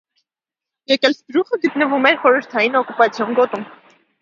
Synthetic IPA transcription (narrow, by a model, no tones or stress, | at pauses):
jɛkɛlsbɾuχəɡət̪nəvumɛɾχɔɾəɾt̪ʰɑjinɔkupɑt͡sʰjɔnɡɔt̪um